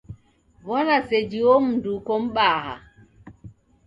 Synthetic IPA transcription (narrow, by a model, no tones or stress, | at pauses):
wɔnased͡ʒiwomuduːkɔmɓaːha̰